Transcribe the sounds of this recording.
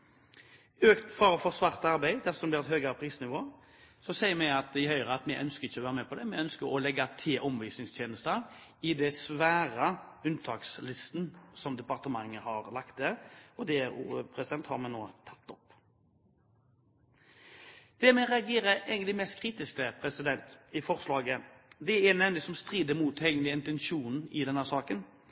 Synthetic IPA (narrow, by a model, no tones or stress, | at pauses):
øːkt̪fɑʁəfɔʁsʋɑʁt̪ɑɾbæɪd̪æfɔsɔmbliːʁɛt̪høːɡɑɾəpʰɾiːsnɪʋoː | sɔsæɪəɾmɛɪɑt̪ɪhœʏʁəɑt̪mɛʔœnskəʁɪçːɔʋæːʁəmɛpʰɔd̪ɛmɛœnskəɾɔlɛɡɑt̪ʰɪlʔɔmʋiːsnɪŋst̪ʰjeːnəst̪əɾɪd̪ɛsʋæːʁəʉnt̪ʰɑːkslɪst̪n̩sɔmd̪ɛpɑʁt̪əmɑŋːəhɑʁlɑkt̪̚d̪ɛɾɔd̪ɛpʰɾɛsɪd̪ɛnt̪hɑ̰ɾmɛnoːt̪ʰɑ̥t̪ːɔp | d̪̥ɛmɛʁɛɑɡeːɾəɛːɡənɪmɛst̪̚kʰɾiːt̪ɪskəpʰɾɛsɪd̪ɛnt̪ɪfɔʁslɑːɡəd̪ɛɛnɛmnlɪsɔmst̪ʁiːd̪əmuːt̪ɛːɡənlɪəɪnt̪ɛnʃuːnɪd̪ɛnːəsɑːkən